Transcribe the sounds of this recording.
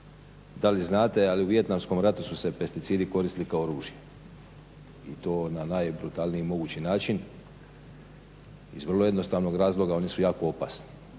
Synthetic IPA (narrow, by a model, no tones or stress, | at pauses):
d̪aliznaːt̪e̞aliuʋje̞t̪namsko̞mɾat̪ususe̞pe̞st̪it̪siːd̪iko̞ɾist̪ilikaooɾuːʒije | ḭt̪o̞ːnanajbɾut̪alniiimo̞ɡut͡ɕinaːt͡ʃin | ḭzʋr̩lˠo̞je̞d̪no̞st̪aːʋno̞ɡɾaːzlˠo̞ɡao̞nisujaːko̞o̞pa̰sni̥